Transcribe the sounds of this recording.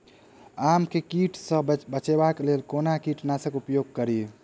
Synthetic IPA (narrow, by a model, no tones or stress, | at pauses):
amkekiʈʰsə̃bət͡ʃebaklelkonakiʈnasəkupjoɡ̚kəɾi